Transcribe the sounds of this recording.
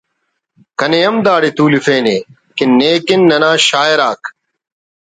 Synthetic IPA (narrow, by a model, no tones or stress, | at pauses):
kɐnejɐmd̪aːɽit̪uːlifeːneː | kinːeːkinːɐnaːɕaːeɾaːk